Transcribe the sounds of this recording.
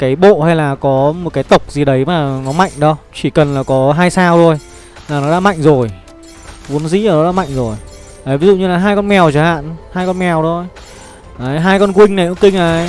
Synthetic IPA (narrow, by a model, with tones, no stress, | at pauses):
kaː˨˦jɓo̰˧˨ha˧jlaː˨˩kɔ˨˦mo˨t̚kaː˨˦jt̪ə˨˩wk͡p̚zi˨˩ɗə˨˦jmaː˨˩nɔ˨˦ma̰˧˨jŋ̟ɗɔ˨˦t͡ɕi˧˩kə˨˩nlaː˨˩kɔ˨˦ɦaː˧jsaː˧wzʰo˧˩j | laː˨˩nɔ˨˦ɗa̰ː˧˥ma̰˧˨jŋzo˨˩j | vu˨˦ənzḭː˧˥˨nɔ˨˦ɗa̰ː˧˥ma̰˧˨jŋzo˨˩j | ʔa˨˦vi˨˦zṵ˧˨ɲɨ˧laː˨˩ɦaː˧jkɔ˧nmɛ˨˩wt͡ɕaː˧˩ha̰ː˧˨nhaː˧jkɔ˧nmɛ˨˩wzʰo˧j | ʔaː˨˦ɦaː˧jkɔ˧nkwï˧ŋ̟nə˨˩ʔɨ̰˧˥ŋkï˧ŋ̟ʔaː˨˩j